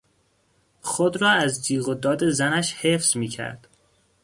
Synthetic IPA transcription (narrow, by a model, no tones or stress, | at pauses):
xod̪ɾɒːæzd̪iːɣod̪ɒːd̪e̞zænæʃhe̞fz̥miːcʰæ̰ɾd̪̥